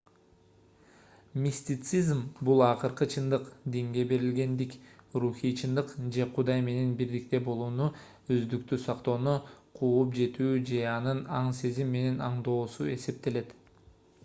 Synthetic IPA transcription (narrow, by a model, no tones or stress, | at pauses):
mʲisʲt̪ʲit̪sizmbulˠɑqɯɾqɯt͡ʃʰɯnd̪ɯqd̪iŋɡe̞be̞ɾilɡe̞nd̪ikruxijt͡ʃʰɯnd̪ɯqd͡ʒe̞qʰud̪ɑjme̞ne̞nbiɾd̪ik̚t̪e̞bo̞lˠuːnu | øzd̪ykt̪ysɑqt̪o̞ːnuqʰuːup̬d͡ʒe̞t̪yːd͡ʒe̞ɑnɯnɑɴse̞zimːe̞ne̞nɑɴd̪o̞ːsue̞se̞p̚t̪e̞le̞t̪